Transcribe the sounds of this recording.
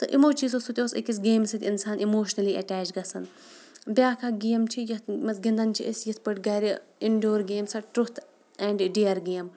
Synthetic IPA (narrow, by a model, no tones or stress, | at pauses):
t̪ɨʔimoːt͡ʃis̬osut̪ʲoːsḭkis̬ɡeːmsit̪ʲinsaːnimoːʃnɐliɐʈaːt͡ʃɡɐsɐn | bʲjaːkʰaɡiːjɐmt͡ʃʰijɐt̪mɐt͡sɡind̪ɐnt͡ʃʰḭʔisjɐt̪ʰpɨʈɡɐːɾiiɳɖoːɾɡeːmsɐʈɾut̪ʰ | ɛːɳɖɖiɐɾɡeːm